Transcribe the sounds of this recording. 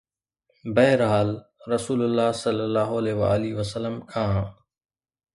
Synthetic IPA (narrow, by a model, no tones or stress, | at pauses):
bɐɦɪɾɦaːlɾɐsuːlʊlːaːɦsɐlːəlːaːɦoɐlɛːʋa̰ːliʋəsəlːəmkʰãː